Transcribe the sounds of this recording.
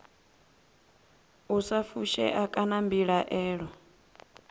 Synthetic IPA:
usafuʃɛ̰ʔakʼanambiɺaʔɛːɺɔ

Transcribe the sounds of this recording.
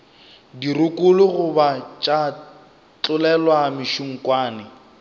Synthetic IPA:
diɾʊkʼʊlʊɣʊbat͡ʃʼa | t͡ɬʼʊlɛlwamɪʃuŋ̩kʼwaːnɪ

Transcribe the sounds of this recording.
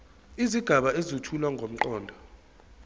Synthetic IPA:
iziɡ̥ʱaɓaezutʰulwaŋɡʱom̩ǃɔːndʱɔ

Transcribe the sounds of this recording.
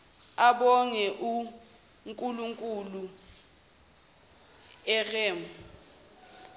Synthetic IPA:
aɓɔŋɛʔu | ŋkʼuluŋkʼulu | ɛrɛːmɔ

